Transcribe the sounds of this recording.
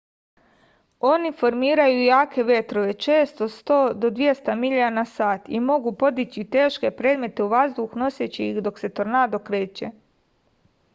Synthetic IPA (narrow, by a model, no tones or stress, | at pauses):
o̞nifo̞ɾmiːɾajujaːkʰe̞ʋʲje̞t̪ɾo̞ʋe̞t͡ʃe̞ːst̪ost̪oːd̪o̞d̪ʋje̞st̪amiʎanasaːt̪ḭmo̞ɡupo̞d̪it͡ɕit̪e̞ːʃke̞pɾe̞ːd̪me̞t̪e̞uʋazd̪uxno̞sjet͡ɕeixd̪o̞kse̞t̪oɾnaːd̪okɾe̞ːt͡ɕe